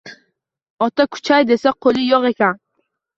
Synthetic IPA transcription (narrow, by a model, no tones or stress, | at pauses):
ɒt̪akʰʊ̥t͡ʃʰajd̪e̞saqʰolˠɪjɒqe̞kʲan